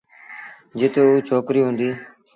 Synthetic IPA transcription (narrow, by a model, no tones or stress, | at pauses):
d͡ʒɪt̪ouːt͡ʃʰoːkɾiːɦʊ̃ːnd̪iː